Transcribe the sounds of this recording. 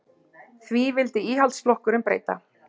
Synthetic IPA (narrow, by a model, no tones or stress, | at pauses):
θvivɪlt̪ɪiːɦalt̪sflɔhkʏɾɪmpɾḛːjt̪a̰